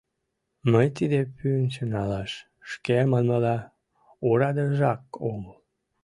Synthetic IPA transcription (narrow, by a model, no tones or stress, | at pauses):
məjt̪id̪epyənt͡ɕənɑlɑʃ | ʃkemɑnməlɑ | oɾɑd̪əʒɑk̚oməl